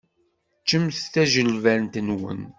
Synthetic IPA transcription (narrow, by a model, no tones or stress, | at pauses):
t͡ʃːəmθθæʒəlvæɾnt̪ənwə̰n